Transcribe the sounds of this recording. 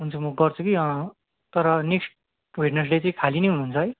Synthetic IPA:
ɦunt͡sʰumʌɡʌrt͡sʰukiʌ̃ | t̪ʌɾʌneksʈ̚ | bʱiɖnʌs̬ɖet͡sʌĩkʰalinejɦununt͡sʰʌɦʌj

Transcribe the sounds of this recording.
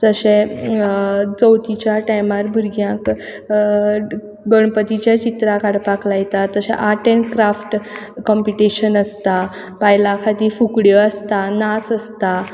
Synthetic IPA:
t̪əɕe | t͡səwt̪it͡ɕjaʈajmaɾbʱuɾɡjãk | ɡəɳpət̪it͡ɕjat͡ɕit̪ɾakaɽpaklajt̪aəɕɛ̰̃ʔaʈeɳʈkɾafʈkɔmpiʈiɕənəst̪a | pajlãkʰat̪iːfukɽjɔəst̪anasəst̪a

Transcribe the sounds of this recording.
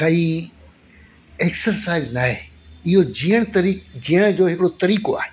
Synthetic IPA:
kɐi | eksəɾsaːɪznaːɦe | ɪɦod͡ʑijəɽ̃t̪ɐɾid͡ʑijəɽ̃əd͡ʑoːɦɪkɪɽot̪ɐɾiːkoa̰ːɽ̃

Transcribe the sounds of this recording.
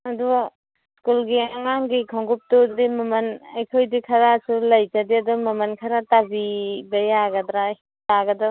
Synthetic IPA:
ɐdu | skulɡiaŋaŋɡikʰɔŋɡup̚tudɾimɐmɐnɐjkʰojdikʰɐɾasulɐjkadiɐdumɐmɐnkʰaɾatabibɐjaɡɐdɾa | taɡɐda

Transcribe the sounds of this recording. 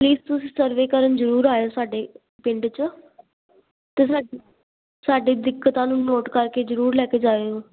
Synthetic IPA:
pliːzt̪ʊsĩːsəɾʋeːkəɾənzəɾuːɾaːeoːsaːɖeː | pɪɳɖt͡ʃ | t̪eːsaː | saːɖiːd̪ɪkːət̪ãːnũːnoːʈkəɾkeːzəɾuːɾlɛːkeːd͡ʒaːʋeːoː

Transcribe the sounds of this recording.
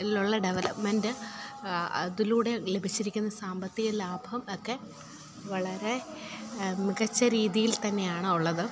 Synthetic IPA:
iluɭːɐɖeʋelɐpmendɨ | ɐ̰ðiluːɽe̞le̞bʱit͡ɕːiɾikʲːunːɐsaːmbɐt̪ːiɣɐlaːbʱɐʋɐmokːe̞ | ʋɐɭɐɾe̞ | miɣɐt͡ɕːɐɾiːðijilt̪ɐnːe̞jaːɳɨuɭːɐðɨ

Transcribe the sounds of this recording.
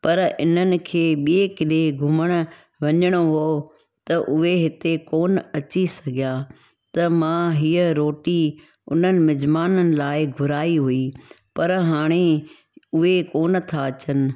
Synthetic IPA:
pɐɾʔɪ̰n̤ənɪ̆kʰeːɓiekɪleɡʱʊməɽ̃ə̆ | ʋɐɲəɽ̃oɦoː | t̪ɐʔʊɦeɦɪt̪ekoːnɐt͡ɕisɐɡʱijaː | t̪ɐmãɦiːəɾoːʈi | ʊ̰n̤ənɪ̆mɪd͡ʑmaːnənɪ̆laːɪɡʱʊɾaːiɦui | pɐɾɦaːɽ̃e | ʊɦekoːnt̪ʰaɐt͡ɕənɪ̆

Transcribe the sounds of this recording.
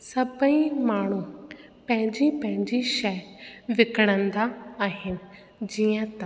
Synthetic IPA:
sɐbə̃ĩmaːɳ̤u | pɐ̃ɦɪ̃ɲd͡ʑipɐ̃ɦɪ̃ɲd͡ʑiʃɐʋɪkəɽ̃ə̃nd̪aːɦɪnɪ̆ | d͡ʑiːə̃t̪ɐ

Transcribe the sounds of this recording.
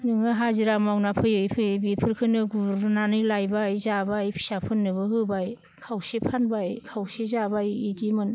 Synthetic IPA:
nɯŋɯɦaziɾamawnapʰɯjɯjpʰɯjɯbipʰɯɾkʰɯnɯɡubɾnanɯjlajbajzabajpʰi̥sapʰɯnːɯbɯɦɯbaj | kʰawsepʰanbajkʰawsezabajidimɯn

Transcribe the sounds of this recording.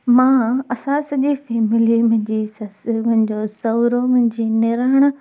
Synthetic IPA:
mãːɐsãsɐd͡ʑiːfeːmɪlimʊ̃ɦɪ̃ɲd͡ʑiːsɐsmʊ̃ɦɪ̃ɲd͡ʑosɐʋɾomʊ̃ɦɪ̃ɲd͡ʑiːnɪɾaːɽ̃

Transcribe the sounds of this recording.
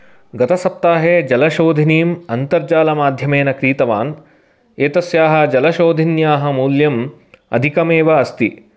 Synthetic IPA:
ɡɐt̪ɐsɐp̚t̪aːɦeːd͡ʒɐlɐʃoːd̪ʱiniːmɐnt̪ɐɾd͡ʒaːlɐmaːd̪ʱjɐmeːnɐkɾiːt̪ɐʋa̰ːn | eːt̪ɐsjaːɦɐ̆d͡ʒɐlɐʃoːd̪ʱinjaːɦɐ̆muːljɐm | ɐ̰d̪ʱikɐmeːʋɐɐst̪i

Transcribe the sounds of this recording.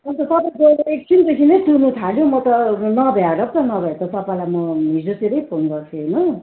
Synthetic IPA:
ʌnt̪ʌsʌpajkoek̚t͡sint̪ʌsʰinʌjʈunut̪ʰaljõmʌt̪ʌnʌbʱjaɽʌp̚t̪ʌnʌbʱʌjat̪ʌsʌpalajmʌɦid͡zoseɾʌjpʰonɡʌrt̪ʰuɦenʌ

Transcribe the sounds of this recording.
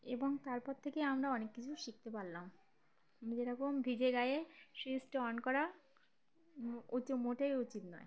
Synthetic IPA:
eboŋt̪aɾpɔɾt̪ʰekeamɾaɔnekːit͡ɕʰuʃik̚t̪epaɾlam | mid͡ʑeɾɔkombʱid͡ʑeɡajeʃisʈoɔnkɔɾa | ut͡ɕmoʈeut͡ɕit̪nɔe

